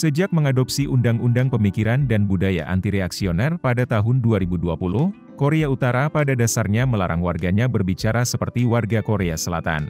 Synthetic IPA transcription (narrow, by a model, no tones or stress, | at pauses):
səd͡ʒak̚məŋadop̚siʔundaŋundaŋpəmikiɾandanbudaja̰ʔa̰nt̪iɾeaksionɛrpadat̪aɦʊnduaɾibuduapulʊh | koɾeaut̪aɾapadadasarɲaməlaɾa̰ŋwarɡaɲabərbit͡ʃaɾasəpərt̪iwarɡakoɾeasəla̰t̪a̰n